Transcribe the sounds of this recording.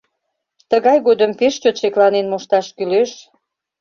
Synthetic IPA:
t̪əɣɑjɣod̪əmpeʃt͡ɕot̪ʃeklɑnenmuʃt̪ɑʃkyleʃ

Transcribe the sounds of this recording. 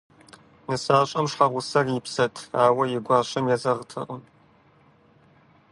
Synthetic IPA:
nɨsaːɕʼɐmʂħaʁʷʊsɐrjɪpsɐtʰaːwɐjɪɡʷɑːɕɐmjɛzɐʁtʰɨ̰ʔʊm

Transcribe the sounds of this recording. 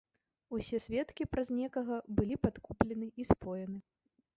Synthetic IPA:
usʲɛsʲvʲɛt̪kʲipɾɐzʲnʲɛkɐɣɐbɨlʲipat̪kuplʲɛnɨispɔjɐnɨ

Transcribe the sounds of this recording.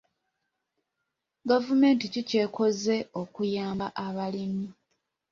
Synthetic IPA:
ɡavume̞ːnticice̞ːkʰo̞ze̞o̞kujaːmbaʔaβalimi

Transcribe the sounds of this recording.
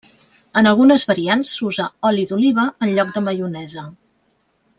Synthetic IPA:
ənəlˠɣunəzβəɾiansːuzəɔliðuliβ̞əənʎɔk̚d̪əməjunɛzə

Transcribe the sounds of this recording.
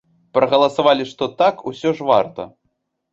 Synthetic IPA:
pɾɐɣɐlˠɐsavalʲiʂt̪ɔt̪akusʲɔʐvart̪ɐ̰

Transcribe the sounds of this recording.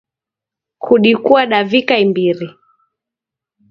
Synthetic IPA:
kʰuɗikuaɗavikaimbiɾi

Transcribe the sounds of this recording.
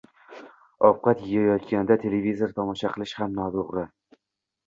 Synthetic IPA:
ɒfqɑt̪jɪjajɒt̪kʲand̪at̪ʰe̞levʲizoɾt̪ʰɒmɒʃaqʰɨlˠɪʃhamnɒt̪oʁɾɪ

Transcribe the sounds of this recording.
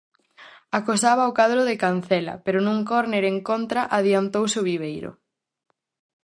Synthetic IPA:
akosaβɐokaðɾoðekanθɛlɐ̰peɾʊnũŋkɔɾneɾeŋkont̪ɾaʔaðiant̪owsoβiβ̞ejɾʊ̰

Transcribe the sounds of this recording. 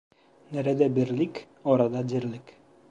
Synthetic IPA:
næɾæd̪æbiɾlik | ɒɾɑd̪ɑd͡ʑ̪iɾlɘk

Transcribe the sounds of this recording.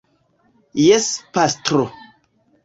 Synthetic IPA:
jespastɾo

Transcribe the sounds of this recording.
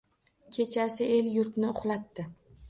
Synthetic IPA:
kʲʰe̞t͡ʃʰasɪe̞ljʊɾt̪nɪʊχlˠat̪ːɪ

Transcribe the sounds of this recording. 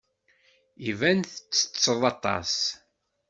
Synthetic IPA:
ivænθət͡sːə̥t͡sːəðˤɑt̪ˤɑ̰s

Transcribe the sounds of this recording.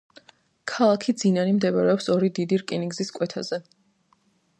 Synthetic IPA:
kʰalˠakʰid̪zinanimd̪ɛbaɾɛɔpsɔɾid̪id̪iɾkʼiniŋɡziskʼwɛt̪ʰazɛ

